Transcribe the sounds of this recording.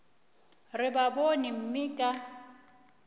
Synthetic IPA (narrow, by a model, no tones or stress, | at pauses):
rɪbabonim̩mɪkʼa